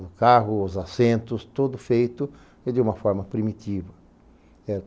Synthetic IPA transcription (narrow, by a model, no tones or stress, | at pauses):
d̪ʊkaɦʊʊzasẽnt̪ʊst̪od̪ʊfejt̪ʊ | ɪd̪ɪũmɐfɔɾmɐpɾimit̪ivɐ | ɛ